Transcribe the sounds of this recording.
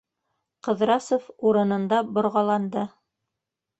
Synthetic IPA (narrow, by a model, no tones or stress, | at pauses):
qɤ̆ðɾɑsofuɾɤ̆nɤ̆nd̪ɑbŏɾʁɑlˠɑnd̪ɤ